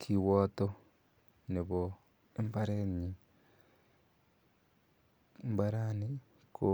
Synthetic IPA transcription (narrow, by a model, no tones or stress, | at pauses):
kʰiwoto | niβo | empaɾeɲi | mbaɾani | kʰo